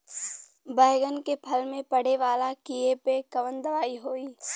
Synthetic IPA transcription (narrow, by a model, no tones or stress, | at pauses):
baːɪɡənkepʰɐlmẽpɐɽ̤eʋaːlakijepekɐʋənd̪ɐʋaːiɦoːiː